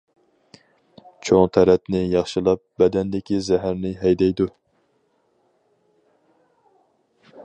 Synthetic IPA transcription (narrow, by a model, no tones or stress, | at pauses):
t͡ʃʰoŋt̪ʰɛɾɛt̪nɪjɑχʃɨlˠɑp̚bɛd̪ɛnd̪ɪkʲizɛɦæɾnɪɦɛjd̪ɛjd̪u